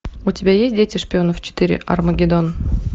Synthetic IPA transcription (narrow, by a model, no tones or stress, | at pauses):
ʊtʲɪbʲajesʲtʲdʲetʲɪʂpʲɪo̞nəft͡ɕɪ̥t̪ɨɾʲɪ̰ʔɐ̰rməɡʲɪd̪on